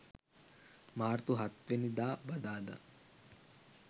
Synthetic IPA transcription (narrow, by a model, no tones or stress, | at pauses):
maːɾt̪uɦat̪ʋenid̪aːbɐd̪aːd̪a̰